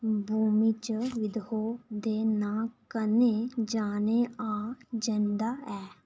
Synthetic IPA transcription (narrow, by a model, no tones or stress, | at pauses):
bʱuːmiːt͡ʃəʋɪd̪oːd̪eːnaːkəneːd͡ʒaːneːãːd͡ʒənd̪aːɛː